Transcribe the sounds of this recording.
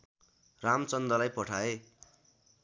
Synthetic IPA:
ramt͡sʌnd̪ɾʌlajpʌʈʰae

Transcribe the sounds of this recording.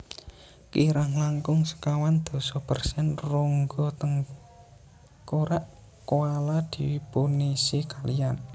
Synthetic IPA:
kiɾaŋlaŋkʊŋsə̥kawand̪̥o̤sɔpərsɛnruŋɡɔt̪əŋ | koɾaʔ | koalad̪̥i̤punisikalian

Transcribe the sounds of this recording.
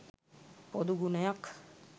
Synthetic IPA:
pɔd̪uɡunajak

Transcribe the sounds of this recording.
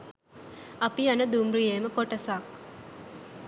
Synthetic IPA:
ɐpianəd̪umrijeːməkoʈɐsak

